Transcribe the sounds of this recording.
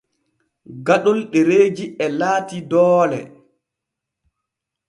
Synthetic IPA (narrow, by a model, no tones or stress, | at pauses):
ɡaɗɔlɗeɾeːd͡ʒiɛlaːtidɔːlɛ̰